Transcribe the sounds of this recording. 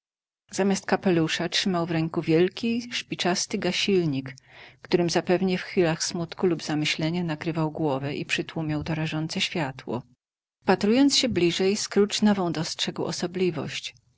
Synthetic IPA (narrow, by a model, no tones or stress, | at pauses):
z̥amʲast̪̚kapɛluʂatʂɘmawvɾɛŋkuvʲjɛlkʲiʂpʲit͡ʂast̪ɘɡaɕilɲikːt̪uɾɘmzapɛvɲɛfxfʲilaxsmut̪kulubzamɘɕlɛɲanakɾɘvawɡwɔvɛʔipʂɘt̪wumʲawt̪ɔɾaʐɔnt̪sɛɕfʲjat̪wɔ̰ | pat̪ɾujɔntsɕɛblʲiʐɛjskɾut͡ʂnɔvɔ̃w̃d̪ɔstʂɛɡwʔɔ̰sɔblʲivɔ̰ɕt͡ɕ